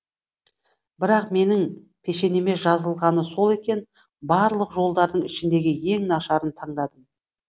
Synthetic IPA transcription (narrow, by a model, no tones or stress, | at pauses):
bɪɾɑqme̞nɪŋ | pʰe̞ʃe̞ne̞me̞ʒɑzəlˠʁɑnəso̞lˠe̞kʲe̞n | bɑɾlˠəqʒo̞lˠd̪ɑɾd̪əɴɪʃɪnd̪e̞ɡʲɪje̞ŋnɑʃɑɾənt̪ʰɑɴd̪ɑd̪əm